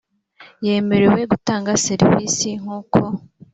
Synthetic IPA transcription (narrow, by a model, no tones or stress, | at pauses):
je̞ːme̞ɾe̞we̞ɡutaːŋɡaseɾviːsiŋ̥uːkʰo̞